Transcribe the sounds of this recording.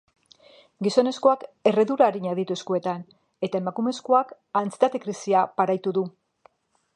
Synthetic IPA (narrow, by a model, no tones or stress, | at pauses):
ɡiso̞ne̞sko̞ake̞re̞ðuɾaːɾiɲaðit̪ue̞skue̞t̪an | e̞t̪ae̞makume̞sko̞ak | ant͡si̥t̪at̪e̞kɾisiapaɾajt̪uðu